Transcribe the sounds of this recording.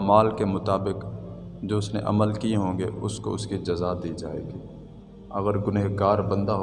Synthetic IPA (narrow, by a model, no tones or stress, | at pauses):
maːlkemʊt̪aːbɪkd͡ʒoːʊsnḛʔɐ̰məlkiɦõːŋɡeʊsko̰ʊskid͡ʒɐzaːd̪id͡ʒa̰ːḛːɡiː | ɐɣəɾɡʊneɦɡaːɾbɐ̃nd̪aɦ